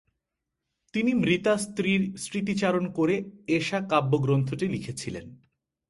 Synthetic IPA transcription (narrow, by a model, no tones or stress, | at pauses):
t̪inimɾit̪ast̪ɾiɾsɾit̪̬it͡ɕaɾonkoɾeeʃakabːoɡɾont̪ʰoʈilikʰet͡ɕʰilḛn